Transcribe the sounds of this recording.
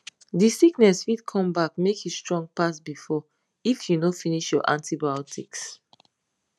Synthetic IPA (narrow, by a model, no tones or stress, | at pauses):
disiknɛsfidkʰɔ̃mbakmekjustɹɔ̃ŋɡ̚pasbifɔ | ifjunofiniʃjɔ̰ʔãntibaɔtʰiks